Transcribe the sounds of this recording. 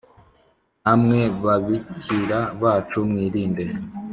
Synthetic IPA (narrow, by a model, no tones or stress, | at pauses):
hamŋe̞βaβiciɾaβaːt͡ʃumŋiːɾiːnde̞